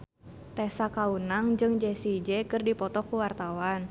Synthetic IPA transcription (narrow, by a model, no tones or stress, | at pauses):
t̪ɛsakaunaŋd͡ʒɨŋd͡ʒɛsid͡ʒɛkɨrdipɔt̪ɔkuwart̪awan